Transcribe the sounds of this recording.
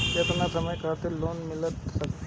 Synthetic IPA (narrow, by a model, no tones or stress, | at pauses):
jet̪nasɐməjkʰat̪ɪɾloːnmɪlət̪sɐk̪̚